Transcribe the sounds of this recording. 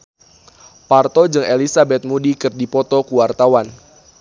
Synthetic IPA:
part̪ɔd͡ʒɨŋelisabɛt̪̚mudikɨrdipɔt̪ɔkuwart̪awan

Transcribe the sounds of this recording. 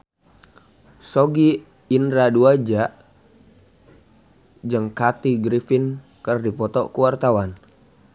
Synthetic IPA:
soɡiː | ndɾaduad͡ʒaʔ | d͡ʒəŋkat̪iɡɾifin | kərdipɔt̪ɔkuwart̪awan

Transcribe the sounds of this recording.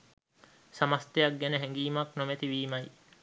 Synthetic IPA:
sɐmɐst̪ejɐk̚ɡenəɦeŋɡiːmɐknomet̪iʋiːmɐj

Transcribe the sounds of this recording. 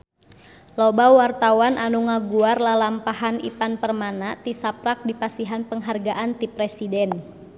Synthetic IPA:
lobawart̪awanʔanuŋaɡuarlalampaɦanḭpanpərmanat̪isapɾak̚dipasiɦanpəŋɦarɡaʔant̪ipɾɛsidɛn

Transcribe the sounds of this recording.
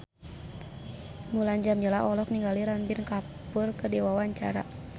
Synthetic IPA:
mulaɲd͡ʒamɲəlaɔlɔk̚niŋɡaliɾanbinka | purkədɛwawaɲt͡ʃa̰ɾa̰

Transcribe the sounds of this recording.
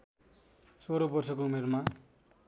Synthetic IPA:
soɾobʌrsʌkoumerma

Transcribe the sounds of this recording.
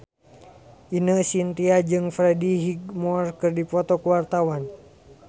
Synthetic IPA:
ʔinəsint̪iad͡ʒɨŋfɾɛdiɦiɡmɔrkɨrdipɔt̪ɔkuwart̪awan

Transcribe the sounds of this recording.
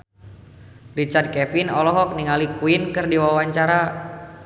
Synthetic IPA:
rit͡ʃard̚kɛpinɔlɔɦɔk̚niŋalikuinkɨrdiwawaɲt͡ʃaɾa

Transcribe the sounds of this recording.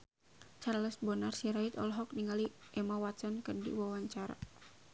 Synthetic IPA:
t͡ʃarləsbɔnarsiɾait̪ɔ̰lɦɔk̚niŋɡaliʔɛmawasɔnkərdḭwawaɲt͡ʃaɾa̰

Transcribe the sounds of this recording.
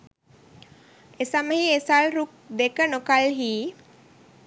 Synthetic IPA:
esaməɦiesalɾuk̚d̪ekənokalɦiː

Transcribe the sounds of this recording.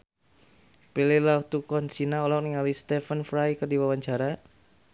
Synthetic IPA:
pilelaut̪ukɔnsinaɔlɔk̚niŋalist̪ɛfənfɾajkərdiwawaɲt͡ʃaɾa

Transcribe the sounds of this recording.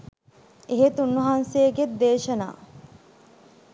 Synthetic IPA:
eɦet̪unːɐɦansejːɡed̪eːʃɐna̰ː

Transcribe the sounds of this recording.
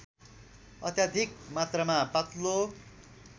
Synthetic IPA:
ʌ̰t̪jad̪ʱik̚mat̪rʌmapʌt̪lo

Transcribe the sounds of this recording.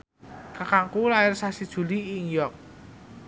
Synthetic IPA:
kakaŋkulaɪrsasid̥ʒ̥ṳliiŋjɔk̚

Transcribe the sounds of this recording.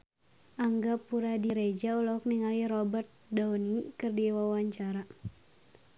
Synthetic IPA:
ʔaŋɡapuɾadiɾed͡ʒaulɔk̚niŋalirɔbərt̪̚daunikɨrdiwawaɲt͡ʃaɾa

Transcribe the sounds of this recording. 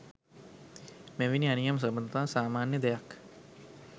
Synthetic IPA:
meʋinianijams̬əbənd̪ət̪aːsaːmaːnjəd̪ejak

